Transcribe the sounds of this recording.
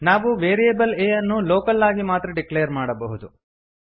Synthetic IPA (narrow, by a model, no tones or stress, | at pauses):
naːʋuʋeːɾijebɐleːjɐnːuloːkɐlːaːɡimaːt̪ɾɐɖikleːɐɾmaːɽɐbɐɦud̪u